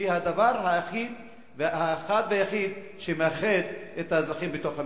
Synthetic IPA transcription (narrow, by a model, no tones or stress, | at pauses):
ihad̪avaʁɦajaχid̪ | vhaχad̪veajaχid̪ | ʃemeaχelet̪azaχimbet̪o̞χa